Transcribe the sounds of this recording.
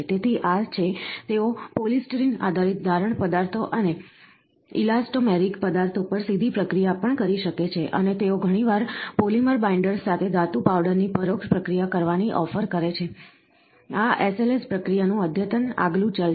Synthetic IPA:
t̪et̪ʰiʔat͡ʃʰet̪eopolisʈɾina̰d̪ʱaɾit̪̚d̪ʱaɾəɳpəd̪aɾt̪ʰoʔəne | ḭlasʈomɛɾikpəd̪aɾt̪ʰopəɾsid̪ʱipɾəkɾijapəɳkəɾiʃəket͡ʃʰeʔə̰net̪eoɡʱəɽ̃iʋaɾpoliməɾbaiɳɖəɾsːat̪ʰed̪at̪upaʋɖəɾnipəɾokʃpɾəkɾijakəɾʋaniʔɔfəɾkəɾet͡ʃʰe | aʔeselespɾəkɾijanũəd̪ʱjət̪əna̰ɡlũt͡ʃəl

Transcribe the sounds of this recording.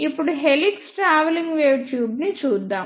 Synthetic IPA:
ipːuɽuɦeliksʈɾaːʋeliŋɡʋuːʈjuːbnit͡ʃuːd̪ːaːm

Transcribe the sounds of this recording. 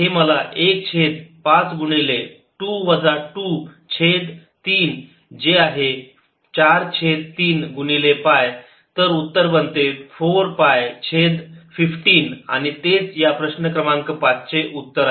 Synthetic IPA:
ɦeməlaʔek̚t͡ɕʰed̪pãt͡sɡuɳile | ʈuʋəd͡zaʈu | t͡ɕʰed̪ | t̪iːn | d͡ʑeaɦe | t͡ɕaɾt͡ɕʰed̪̚t̪iːnɡuɳilepaj | t̪əɾut̪ːəɾbənt̪efoɾpajt͡ɕʰed̪fifʈiːna̰ñit̪et͡sjapɾəɕnəkɾəmãŋkəpat͡st͡ɕeʔut̪ːəɾa

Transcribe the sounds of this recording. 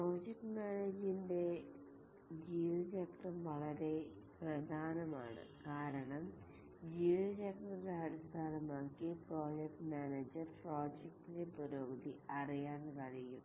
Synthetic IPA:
pro̞ːd͡ʑek̚ʈmaːned͡ʑinde̞ | d͡ʑiːʋɐd͡ʑɐkʈɐmʋɐɭɐɾe̞ | prɐd̪ʱaːnɐma̰ːɳɨ̰kaːɾɐɳɐm | d͡ʑiːʋɐɾeːk̚ʈɐdeɐɽist̪ʰaːlɐmaːkːipro̞ːd͡ʑek̚ʈmaːneːd͡ʑɐrpro̞ːd͡ʑek̚ʈidepoɾoːbɐd̪iɐrijaːnʋɐɻijum

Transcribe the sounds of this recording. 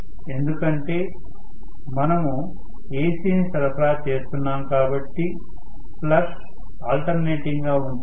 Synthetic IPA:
e̞nd̪ukɐɳʈe̞ː | mɐnɐmu | eːsiːnisɐɾɐpɾaːt͡ʃe̞ːst̪unːaːmkaːbɐʈːi | plɐʂ | aːlʈɐɾne̞ːʈiŋɡaːund̪i

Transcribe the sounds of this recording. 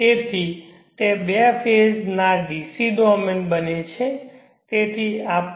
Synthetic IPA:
t̪et̪ʰi | t̪ebepʰed͡ʒnaɖisiɖɔmenbənet͡ʃʰe | t̪et̪ʰiap

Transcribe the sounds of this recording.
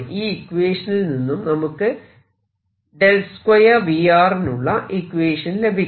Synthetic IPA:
ʔiːikːʋeːʂɐnilninːumnɐmukːɨ | ɖe̞lskwɐjɐʋijaːrinuɭːɐʔikːʋeːʂɐnile̞bʱi

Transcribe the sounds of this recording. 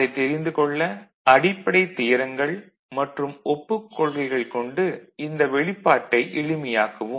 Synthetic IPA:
ɐɪt̪ɛɾɪnd̪ɯkɔɭːɐ | ɐɽɪpːɐɽɐɪt̪ːɪjɐɾɐŋɡɐɭ | mɐʈrɯmɔpːɯkːɔɭɣɐɪɣɐɭkɔɳɖɯɪnd̪ɐʋɛɭɪpːaːʈːɐɪʔɪɻɪmɐjaːkɐʋɯm

